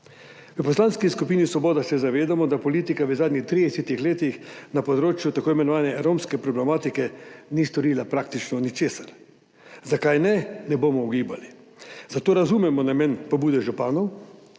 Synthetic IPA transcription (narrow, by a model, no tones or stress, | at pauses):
ʋəpɔslanskiskupiːnisʋɔbɔːd̪asɛzaʋeːd̪amɔd̪apɔliːt̪ikaʋəzaːd̪nʲixt̪ɾid̪ɛset̪ixleːt̪ixnapɔd̪ɾoːt͡ʃjut̪akoːimɛnɔʋaːnɛɾomskɛpɾɔblɛmaːt̪ikɛnist̪ɔɾiːlapɾak̚t̪it͡ʃnɔnit͡ʃeːsaɾ | zakajnɛnɛboːmɔuɡiːba̰li | zat̪oːɾazuːmɛmɔnamɛnpɔbuːd̪ɛʒupaːnɔw